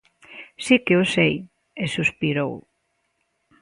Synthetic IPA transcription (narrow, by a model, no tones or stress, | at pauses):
sikeosej | esuspiɾow